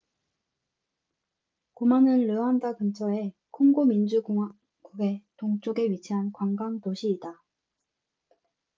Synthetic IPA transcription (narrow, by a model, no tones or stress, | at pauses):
komanɯnlɯandakɯmt͡ɕʰʌe̞kʰoŋɡomind͡ʑu | ɡuɡe̞toŋt͡ɕ͈oɡe̞ɥit͡ɕʰiɦankwaŋɡaŋtoɕʰiːda